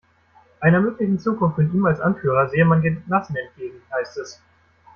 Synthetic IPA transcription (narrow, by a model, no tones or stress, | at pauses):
ʔaɪnɐmøːklɪçn̩t͡suːkʊnftɪniːmalsʔa̰nfyːʁ̞ɐzeːəmandeːnnasn̩ɛnt̚ɡ̥eːɡŋ̩haɪstɛs